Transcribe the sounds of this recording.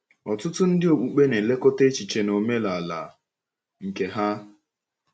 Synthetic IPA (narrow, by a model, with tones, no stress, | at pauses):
ɔ˨tʊ˦tʊ˦n̩˦dɪ˦o˨k͡pu˨k͡pe˦ne˨le˦ko˦te˦t͡ʃi˨t͡ʃe˨no˨me˦la˨la̰˨ | ŋ̩˨ke˨ɦa˦